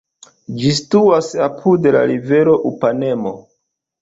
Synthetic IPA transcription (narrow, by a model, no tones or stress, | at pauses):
d͡ʒistuasapʰudela̰ɾive̞ɾoʔupane̞mo̞̰